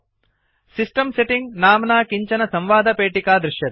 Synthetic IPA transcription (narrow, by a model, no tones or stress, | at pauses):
sisʈɐmseʈiŋɡnaːmnaːkiɲt͡ʃɐnɐsɐmʋaːd̪ɐpeːʈikaːd̪ɾuʃjɐt̪